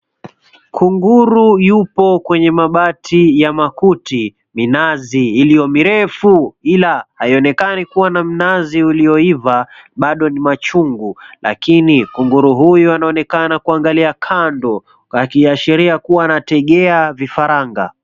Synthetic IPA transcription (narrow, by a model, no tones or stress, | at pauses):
kʰuŋɡuɾujupɔkwɛɲɛmaɓatʰijamakuti | minaziːlijɔmiɾɛfuilahaiɔnɛkanikuwanam̩naziulijɔivaɓaɗɔnimat͡ʃuŋɡula̰kinikuŋɡuɾuɦujɔanaɔnɛkanakuaŋɡaliakʰandɔ | akiaʃɛɾiakuwaːnatɛɠɛavifaɾaŋɡa̰